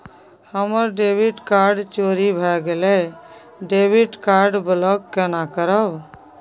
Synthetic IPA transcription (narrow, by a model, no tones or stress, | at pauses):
həməɾɖebiʈkaɾɖt͡ʃoːɾibʱɛɡele | ɖebiʈkaɾɖbəlɔkːɛnakəɾəb